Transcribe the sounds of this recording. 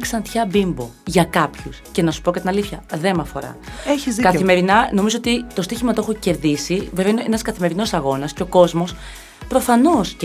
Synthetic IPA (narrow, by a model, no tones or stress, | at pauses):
ksɐnt̪çɐbimbo̞ʝɐkɐpçusce̞nɐsu̥po̞kɐt̪inɐliθçɐðe̞mɐfo̞̰ɾɐ̰eçizðikɐθime̞ɾinɐno̞mizoot̪it̪o̞st̪içimɐt̪oexoce̞ɾðisiveveinenɐskɐθime̞ɾino̞sɐɣo̞nɐsceo̞ko̞zmo̞s | pɾo̞fɐno̞s